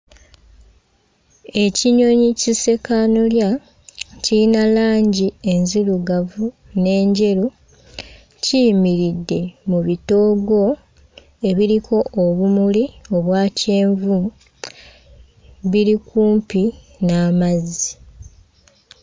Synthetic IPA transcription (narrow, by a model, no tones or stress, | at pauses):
e̞ciɲo̞ɲicise̞kanulja | ciinalaːɲɟie̞nziluɡavu | ne̞ːɲɟe̞ɾu | cimiɾidːe̞muβito̞ːɡo̞ | e̞βiɾikʰo̞ʔːβumulio̞βwaːce̞ːɱvu | βiɾikuːmpi | naːmazi